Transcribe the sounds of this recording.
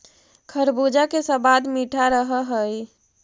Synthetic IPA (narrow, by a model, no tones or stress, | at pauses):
kʰəɾbud͡ʒakesə̃bad̪miʈʰaɾəɦəɦəj